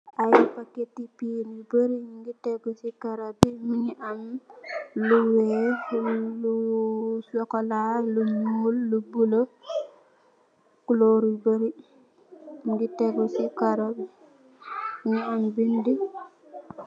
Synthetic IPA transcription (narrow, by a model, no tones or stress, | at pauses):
ʔajipaketipiɾibəɾiŋɡiteɡɔsikaɾabimuɲiʔam | luwe | lusɔkɔlaluɲuːlːubulo | kuloɾibəɾi | ɡiteɡɔsikaɾab | muɲiambindi